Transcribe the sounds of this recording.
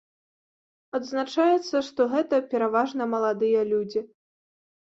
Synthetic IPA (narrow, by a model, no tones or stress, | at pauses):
ɐd̪znat͡ʂajɛt̪sːɐʂt̪ɔɣɛt̪ɐpʲɛɾavaʐnɐmɐlˠad̪ɨjɐlʲud͡zʲi